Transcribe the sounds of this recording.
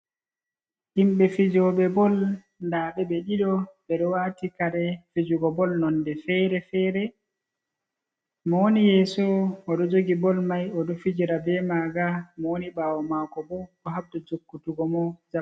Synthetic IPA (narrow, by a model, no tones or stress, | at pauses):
himɓɛfid͡ʒɔɓɛbɔl | ndaɓɛbɛɗiɗɔɓɛɗɔwatikaɗɛfid͡ʒuɡɔbɔlnɔndɛfɛɾɛfɛɾɛ | mɔwonijɛsɔɔɗɔd͡ʒoɡibɔlmajɔɗɔfid͡ʒiɾabɛmaɡamɔwonibaːwɔmakɔbɔɗɔɦabdɔd͡ʒokːutuɡɔmɔd͡ʒa